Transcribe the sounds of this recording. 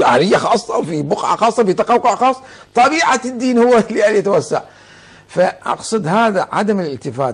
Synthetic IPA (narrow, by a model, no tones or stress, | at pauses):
ʔa̰ɾɪjːaxɑːsˤːɑwfibʊqʕa̰xɑːsˤːɑfit̪ɑqɑwqʊʕxɑːsˤː | t̪ˤɑbiːʕad̪ːiːnhʊwːaliʔælt̪wasːa̰ʕ | faʔɑ̰qsˤɨd̪haːðaʕa̰d̪aməlɪlt̪ɪfa̰ːt̪